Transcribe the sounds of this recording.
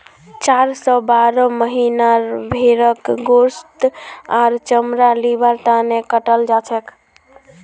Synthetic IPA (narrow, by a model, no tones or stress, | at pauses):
t͡ʃaɾsɔbaɾəməɦinaɾbʱeɾəkɡost̪aɾt͡ʃəmɾalibəɾt̪anekəʈəld͡ʒat͡ʃʰɛk